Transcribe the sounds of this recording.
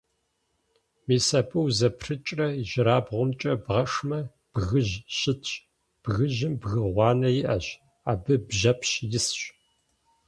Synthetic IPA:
miːsɐpʼɨwzɐpʰrɨt͡ʃʼrɐiʒɪɾaːbʁʷʊmt͡ʃʼɐbʁɐʂmɐ | b̥ɣɨʒɕɪtʰɕ | b̥ɣɨʑɪmbɣɨʁʷɑːnɐjɪʔɐɕ | aːbɨbʒɐpʰɕjɪsɕ

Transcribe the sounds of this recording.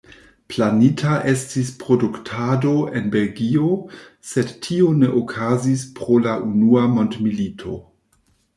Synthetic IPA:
planitʰaʔe̞stispɾo̞duktʰado̞ʔe̞nbe̞lɡio̞ | se̞dtʰio̞ne̞ʔokʰazispɾo̞laʔunuamondmilitʰo̞

